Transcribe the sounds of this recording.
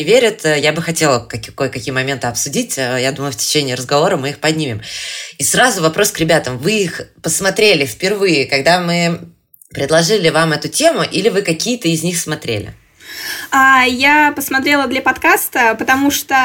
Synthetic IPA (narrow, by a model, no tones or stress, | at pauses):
ɪvʲeɾʲɪt̪ːjabɨxɐtʲe̞lˠəkɐkojkɐkʲijəmɐmʲe̞nt̪ɨɐpsʊdʲitʲəjad̪uməjʊftʲɪ̥t͡ɕenʲɪːɾəzɡɐvo̞ɾəmɨixpɐdʲnʲimʲɪmisrazʊvɐpɾo̞skɾʲɪbʲat̪əmvɨixpəsmɐt̪ɾʲelʲɪfʲpʲɪrvɨjɪkɐɡd̪amɨ | pɾʲɪd̪lˠɐʐɨlʲɪvamɛt̪ʊtʲe̞mʊʔilʲɪvɨkɐkʲijət̪əɪzʲnʲixsmɐt̪ɾʲḛlʲɪ̰ | ajapəsmɐt̪ɾʲelˠəd̪lʲɐpɐt̪kast̪əpət̪ɐmuʂt̪o